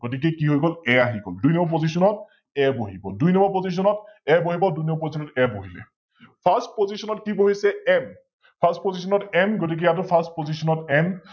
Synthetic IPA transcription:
ɡ̥otik̬ɛkiɦojɡɔlɛaɦiɡɔ̰ldujnɔmɔpozisɔnɔt̚ | ɛboɦibɔdujnɔmɔpozis̬ɔnɔtɛboɦibɔdujnɔmɔpozisʰɔnɔtɛboɦilɛ̰ | pʰastpozisɔnɔtkiboɦisɛɛm | pʰastpozisɔnɔtɛmɡotik̬ɛjat̬ʊpʰastpozisɔnɔtɛn

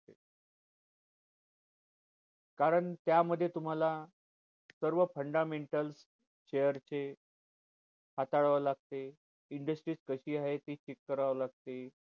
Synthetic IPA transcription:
e | kaɾəɳt̪jaməd̪ʱːjet̪um̤ala | səɾʋəfəɳɖameɳʈəls | ɕejəɾt͡ɕe | hat̪aɭʋəlaɡ̚t̪e | iɳɖəsʈɾiːskəɕiːaɦet̪it͡ɕekːəɾaʋəlaɡ̚t̪e

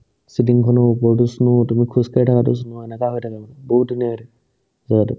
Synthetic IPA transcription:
sitiŋkʰɔnɔpɔɹtusnutumikʰuzkaɹitʰakatʊs̬unuɛnɛkaɦojtʰakabɔnabɔɦut̚dunijadɛ | zaɡatʊ

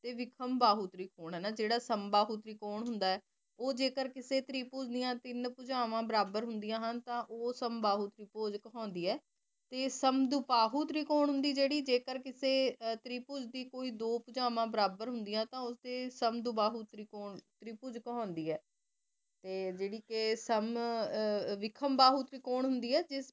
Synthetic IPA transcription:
t̪eːʋɪkʰəmbaːɦuːt̪ɾiːkʰoːɳɦɛːnaːd͡ʒeːɽaːsəmbaːɦuːt̪ɾiːkoːɳɦʊnd̪aːɛː | oːd͡ʒeːkəɾkɪseːt̪ɾiːpoːd͡ʒd̪ijãːt̪ɪnpʊd͡ʒaːʋãːbəɾaːbəɾɦʊnd̪ɪjãːɦənt̪ãːʔoːsəmbaːɦuːt̪ɾiːpoːd͡ʒkəɦɔ̃ːnd̪iːɛː | t̪eːsəmd̪ʊpaːɦuːt̪ɾiːkoːɳɦʊ̃nd̪iːd͡ʒeːɽiːd͡ʒeːkəɾkɪseːt̪ɾiːpʊd͡ʒd̪iːkoːiːd̪oːpʊd͡ʒaːʋãːbəɾaːbəɾɦʊnd̪ɪjãːt̪ãːʊsd̪eːsəmd̪ʊbaːɦuːt̪ɾiːkoːɳt̪ɾiːpʊd͡ʒkɦɔ̃ːnd̪iːɛː | t̪eːd͡ʒeːɽiːkeːsəm | ʋɪkʰəmbaːɦuːt̪ɾiːkoːɳɦʊnd̪iːɛːd͡ʒɪs

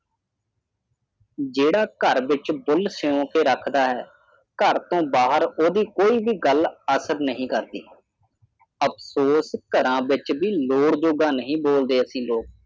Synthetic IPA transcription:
d͡ʒeːɽaːkəɾʋɪt͡ʃbʊlsɪjõːkeːɾəkʰd̪aːɦɛː | kəɾt̪õːbaːɦəɾoːd̪iːkoːiːʋiːɡələsəɾnəɦĩːkəɾd̪ḭː | əpʰsoːskəɾãːʋɪt͡ʃbiːloːɽd͡ʒoːɡãːnəɦĩːboːld̪eːəsĩːloːk

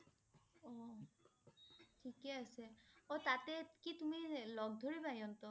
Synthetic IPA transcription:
ɔ | ʈʰikeaseot̪at̪ekit̪umilɔɡd̪ʱoɹibaj̃ɔnt̪o

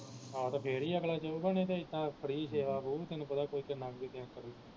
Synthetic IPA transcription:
ɦaːt̪ãpʰeːɾiːəklaːt͡ʃəuːbənẽːt̪ẽːɪt̪ːãːpʰəɾiːseːʋaːpuːt̪enũːpət̪ãːkoːiːkəɾnaːkd̪eːt̪ɛ̃ːnkəɾiː

